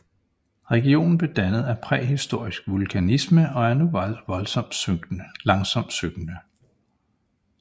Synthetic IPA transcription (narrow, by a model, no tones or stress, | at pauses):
ʁɛɡ̥io̝̰ːnn̩b̥e̝d̥ænəð̩ˠæpʰʁɛ̰hisd̥o̝ɐ̰isɡ̥ʋulkʰænisməɒ̽æɐnuʋɑlʋɒ̽lsɒ̽m̰d̥lɑ̈ŋsɒ̽m̰d̥søɡ̥nə